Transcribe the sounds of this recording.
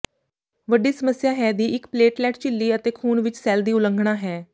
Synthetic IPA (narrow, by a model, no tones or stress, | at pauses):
ʋəɖiːsəməsjaːɦɛːd̪iːʔɪkpleːʈlɛːʈt͡ʃɪlːiːət̪eːkʰuːnʋɪt͡ʃsɛːld̪iːʊlə̃ŋɡʱɽ̃aːɦɛː